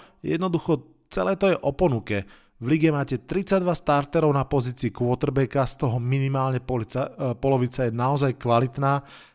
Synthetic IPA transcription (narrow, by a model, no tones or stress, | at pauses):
jɛ̰d̪nɔd̪uxɔ | t͡sɛ̰lɛːt̪ɔjɛʔɔpɔnukɛ | vliɡɛmaːcɛt̪ɾit͡sad̪ʋast̪aɾt̪ɛɾɔʊnapɔziːt͡siːkʊɔt̪rbɛkast̪ɔɦɔminimaːlɲɛ | pɔlɔʋit͡sajɛnaɔzajkʋalit̪naː